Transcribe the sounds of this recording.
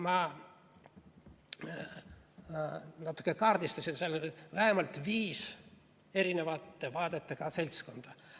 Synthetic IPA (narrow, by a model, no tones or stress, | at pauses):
mɑ | nɑt̪ːˑu̥kːˑekɑːrd̪ist̪ɑsʲinselːvæhemɑlt̪viːs | e̞ɾine̞vɑt̪ːˑevɑːd̪̥et̪ːˑekɑse̞lʲt̪sko̞nd̪̥ɑ